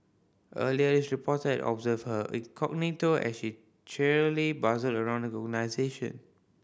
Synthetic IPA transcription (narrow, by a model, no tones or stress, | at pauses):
ʔəliədisɹipʰɔtədɔ̰bzəvhəʔḭ̃kʰɔk̚nitoʔɛ̰sʃi | t͡ʃɛɹlibazəldəɹãw̃ndəɔɡənaɪzeʃə̰̃n